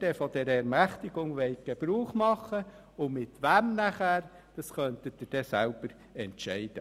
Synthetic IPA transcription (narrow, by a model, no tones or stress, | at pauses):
d̥ɛfɔd̥ɛɾɛɾmæχt̪iɡ̥ʊŋʋɛɪtɡ̥eb̥ɾuːχmɑχːə | ʊmɪt̪ʋæmnæχæːɾ | d̥ɑsχœnt̪ət̪ɪd̥ɛsælb̥əɾ | ɛntʃɛɪd̥ə